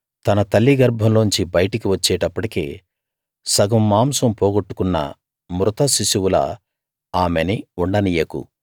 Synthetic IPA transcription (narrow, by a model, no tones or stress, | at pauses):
t̪ɐnɐt̪ɐlːiɡɐɾbʱɐmloːnɲt͡ʃibɐjɐʈɐkiʋɐt͡ʃːɛːʈɐpːɐʈikḛː | sɐɡɐmːaːmsɐmpɔːɡoʈːu̥kunːɐ̰ | mɾut̪ɐsisuwulɐ̰ | aːmeniuɳɖɐnijɐkṵ